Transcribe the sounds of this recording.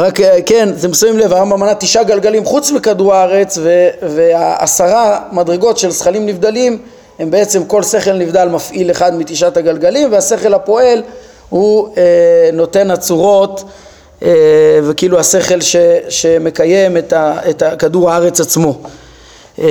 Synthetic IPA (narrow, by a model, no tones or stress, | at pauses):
ʁakke̞nt̪emsavimle̞vaʁambamanat̪iʃaɡalɡalimχut͡smikaduʁaaʁe̞t͡sveveaa̰saʁamadʁeɡo̞tʃe̞lsχalimnivd̪alim | he̞mbe̞et͡se̞mko̞lse̞χe̞lnivd̪almafʔile̞χad̪mit̪iʃathaɡalɡalimvease̞χe̞lhapo̞e̞l | hueno̞te̞nat͡suʁo̞t̪ | evekiiːluhase̞χe̞lʃeʃe̞me̞kaje̞met̪aetakaduʁaaʁe̞t͡sat͡smo̞